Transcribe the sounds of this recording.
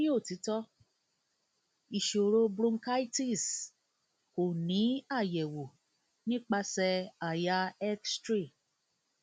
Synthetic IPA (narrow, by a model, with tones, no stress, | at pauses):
ĩ˦o˦˨ti˨˦tɔ˦ | i˨ʃo˨ɾo˧bɾũ˧ŋ˦ka˦i˦ti˦˨s | ko˨nĩ˨˦a˦˨jɛ˨wo˨ | nĩ˦k͡pa˧sɛ˧a˨ja˧ɛ˦kstɾi˦˨